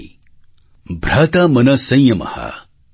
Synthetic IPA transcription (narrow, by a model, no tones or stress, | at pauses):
bʱɾaːt̪amɐnɐsɐ̃jjɐmɐ̰ha̰